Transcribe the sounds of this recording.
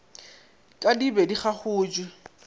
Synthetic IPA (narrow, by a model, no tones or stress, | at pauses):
kʼadibɛdiχaχʊːd͡ʒwɪ